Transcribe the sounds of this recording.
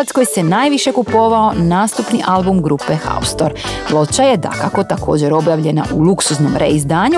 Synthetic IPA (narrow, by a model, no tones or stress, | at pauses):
at̪skojse̞naːjʋiʃe̞kupo̞ʋao̞naːst̪upniʔalbumɡɾupe̞xa̰ust̪o̞ɾlˠo̞t͡ʃajed̪a̰kako̞t̪ako̞̰ːd͡ʑe̞ɾo̞bjaʋʎe̞na̰ʔulˠuksuzno̞mɾḛizd̪aːɲu